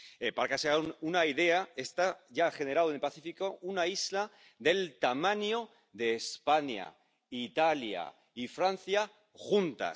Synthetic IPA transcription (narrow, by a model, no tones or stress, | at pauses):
epaɾakeseaunaiðe̞ae̞st̪aʝaχe̞neɾawenelpaθifikounaizla | ðe̞lt̪amãnjo | ðe̞ːspaɲa̰ | it̪alja̰ | ifɾanθja | xunt̪a̰s